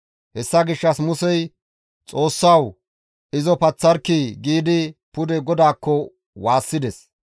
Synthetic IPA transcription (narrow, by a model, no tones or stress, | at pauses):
hɛsːɐɡɪʃːɐsmʊsɛj | t͡sʼo̞ːsːɐw | ɪzɔpɐt͡sːɐɾkiɡiːd̪ɪpʊd̪ɛɡɔd̪aːkːɔ | waːsːɪd̪ɛs